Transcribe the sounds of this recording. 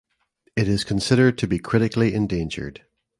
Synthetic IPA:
ɪʔɪz̥kʰə̃nsɪɾə˞d̚tʰəbikʰɹ̥ɪɾɪklˠiɛ̃ndẽnd͡ʒə̰˞d̥

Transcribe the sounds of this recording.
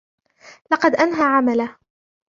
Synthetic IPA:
lɑqɑd̪ʔanɦaʕamalah

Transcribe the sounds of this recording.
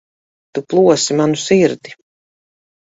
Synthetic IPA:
t̪uplˠuɔsimanusiɾd̪i

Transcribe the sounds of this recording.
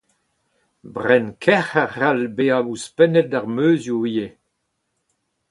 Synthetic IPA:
bʁɛnkʰɛχaʁalbeawuspɛnɛt̚daʁmøːzjuwije

